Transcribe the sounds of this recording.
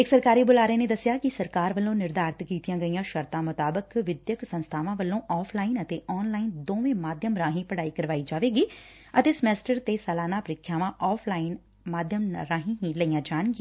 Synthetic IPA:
ɪksəɾkaːɾiːbʊlaːɾẽːneːd̪əsːɪjaːkɪsəɾkaːɾʋəlːõːnɪɾd̪aːɾt̪kiːt̪ijãːɡəijãːʃəɾt̪ãːmʊt̪aːbəkʋɪd̪jəksə̃nst̪ʰaːʋãːʋəlːõːʔɔːpʰlaːinət̪eːʔɔːnlaːind̪oːʋẽːmaːd̪ʱjəmɾãːɦĩːpəɽaːiːkəɾʋaːiːd͡ʒaːʋeːɡiː | ət̪eːsəmɛːsʈəɾt̪eːsəlaːnaːpəɾɪkʰːjaːʋãːʔɔːpʰlaːɪn | maːd̪ʱjəmɾãːɦĩːɦĩːləijãːd͡ʒaːnɡi

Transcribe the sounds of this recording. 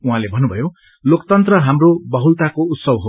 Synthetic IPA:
uɦãlebʱʌnːubʱʌjo | lokt̪ʌnt̪rʌɦamrobʌɦult̪akout̪sʌbɦo

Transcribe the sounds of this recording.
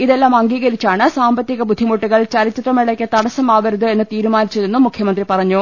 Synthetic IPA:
iðe̞lːaːmɐŋɡiːɣɐɾit͡ɕːaːɳɨsaːmbɐt̪ːjiɣɐbud̪ʱːimuʈːuɣɐɭt͡ɕɐlit͡ɕːɐʈrɐmeɭɐkʲːɐt̪ɐɽɐsɐmaːʋɐɾuðɨe̞nːɨt̪iːɾumaːnit͡ɕːɐðenːumːukʰjɐmɐnd̪ripɐrɐɲːu

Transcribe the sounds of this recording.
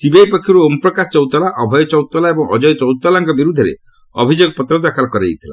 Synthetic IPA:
sibejpɔkʰːjɔɾuompɾɔkasɔt͡ʃɔwt̪ɔlaʔɔbʱɔjɔt͡ʃɔwt̪ɔlaebɔŋɔ̰d͡ʒɔjt͡ʃɔwt̪ɔlaŋkɔbiɾud̪ʱːeɾḛ | ɔ̰bʱid͡ʒoɡɔpɔt̪ɾɔd̪akʰalɔkɔɾḛjt̪ʰila̰

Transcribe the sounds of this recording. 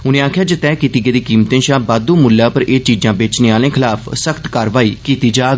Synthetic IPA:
ʊnẽːaːkʰjaːd͡ʒət̪ɛːkiːt̪iːɡeːd̪iːkiːmt̪ẽːʃãːbaːd̪ũːmʊlːaːpəɾeːt͡ʃiːd͡ʒãːbeːt͡ʃneːaːlẽːkʰɪlaːpʰsəkʰt̪kaːɾʋaːiːkiːt̪iːd͡ʒaːɡ

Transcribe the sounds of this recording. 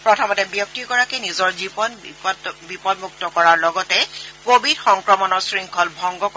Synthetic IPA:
pɹɔtʰɔmɔtɛbjɔk̚tiɡɔɹakɛnizɔɹzibɔn | bipɔdmuk̚tɔkɔɹaɹlɔɡɔtɛkobidxɔŋkɹɔmɔnɔɹsɹiŋkʰɔlbʱɔŋɡɔk

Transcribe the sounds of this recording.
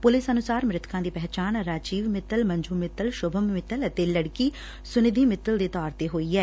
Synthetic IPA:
pʊlɪsənʊsaːɾmɾɪt̪ʰkãːd̪iːpɛɦt͡ʃaːnɾaːd͡ʒiːʋmɪt̪ːəlmə̃ɲd͡ʒuːmɪt̪ːəlʃʊbʱəmːɪt̪ələt̪eːləɽkiː | sʊnɪd̪ʱiːmɪt̪ːəld̪eːt̪ɔːɾt̪eːɦoːiːɛː

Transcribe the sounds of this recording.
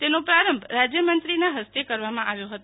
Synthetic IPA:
t̪enopɾaɾəmbʱɾad͡ʒjəmənt̪ɾinaɦəst̪ekəɾʋamãʔaʋjoɦət̪o

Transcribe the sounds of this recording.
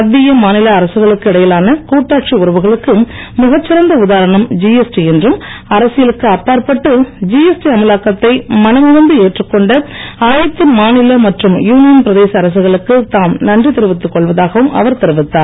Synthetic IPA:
ɐðːɪjɐmaːnɪlɐːɾɐsɯɣɐɭɯkːɯɪɽɐjɐlaːnɐkuːʈːaːʈt͡ʃiʊɾɐʋɯɣɐɭɯkːɯ | mʊɣɐt͡ʃːɪɾɐnd̪ɐʊðaːɾɐɳɐmd͡ʒiɛsʈiɛndrɯmɐɾɐsɪjɐlɯkːɯɐpːaːɾpɐʈːɯd͡ʒiɛsʈiɐmɐlaːkɐt̪ːɐɪmɐnɐmʊɣɐnd̪ɯeːʈrɯkːɔɳɖɐaːjɐt̪ːɯmaːnɪlɐmɐʈrɯmjuːnɪjɐnpɪɾɐðeːsɐːɾɐs̬ɯɣɐɭɯkːɯt̪aːmnɐndrit̪ɪɾɯʋɪt̪ːɯkːɔɭʋɐðaːɣɐʋɯmʔɐ̰ʋɐɾt̪ɛɾɯʋɪt̪ːaːɾ

